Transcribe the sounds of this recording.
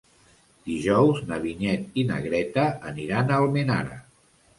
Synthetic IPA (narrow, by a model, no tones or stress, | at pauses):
d̪̥iʒɔwznəβiɲɛt̪inə̰ɣɾɛt̪əːniɾanəlˠmena̰ɾə̰